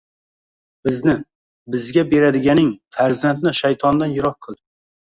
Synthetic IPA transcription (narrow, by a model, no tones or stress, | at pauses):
bɪznɪ | bɪzɡʲabe̞ɾad̪ɪɡʲanɪŋfaɾzant̪̚nɪʃajt̪ʰɒnd̪anjʊɾɒq̚qʰːɨlˠd̪ɪ